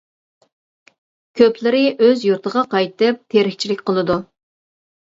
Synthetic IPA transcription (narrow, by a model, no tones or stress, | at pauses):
kʲʰøplɪɾɪʔøzjuɾt̪ʰəʁɑqɑjt̪ɨp̚t̪ʰeɾɪkʲt͡ʃʰilɪkʲqəlˠɨd̪u